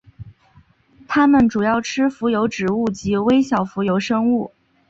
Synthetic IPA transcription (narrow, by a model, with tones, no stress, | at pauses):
t̪ʰa˥mə˨nʈ͡ʂu˨˩jɑ˥˩ʊʈ͡ʂʰɻ̩˥fu˧˥jo˧˥ʊʈ͡ʂɻ̩˨˩u˥˩t͡ɕi˧˥we˥ɪɕjɑ˨˩ʊfu˧˥jo˧˥ʊʂɤ˥ŋu˥˩